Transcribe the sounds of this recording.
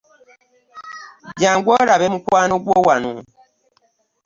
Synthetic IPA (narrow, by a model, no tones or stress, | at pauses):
d͡ʒaŋɡwɔɾabɛmukwanuɡowanu